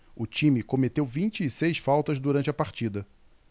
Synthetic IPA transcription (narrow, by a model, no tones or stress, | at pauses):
ʊt͡ʃĩmɪkomet̪ewvĩnt͡ʃɪːsejsfawt̪ɐzd̪uɾɐ̃nt͡ʃɪɐpaɾt͡ʃid̪ɐ